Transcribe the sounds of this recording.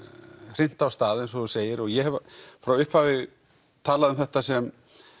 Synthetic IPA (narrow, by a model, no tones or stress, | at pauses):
r̥ɪn̥t̪awst̪aːðɪns̬ɔðuseːjɪɾɔɣjɛɦɛvafɾawʏhphavɪɣ | t̪ʰaːlaðʏmθɛht̪asɛm